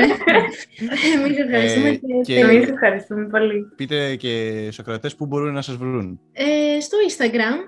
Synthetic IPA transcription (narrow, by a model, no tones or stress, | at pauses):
emise̞fxɐɾist̪umeemise̞fxɐɾist̪ume̞po̞lipit̪ecesokɾɐt̪espubo̞ɾunːɐsɐzvɾun | est̪o̞inst̪ɐɡɾɐm